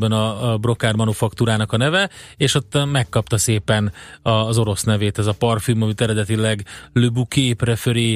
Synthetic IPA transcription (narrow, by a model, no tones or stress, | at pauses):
bɛnɒbro̞kaːrmɒnufɒkt̪uːɾaːnɒkɒnɛvɛeːʃo̞t̪ːmɛkːɒpt̪ɒseːpɛnɒzo̞ɾo̞snɛveːt̪ɛzɒpɒrfymɒmit̪ɛɾɛd̪ɛt̪ilɛɡløbukeːprɛføɾeː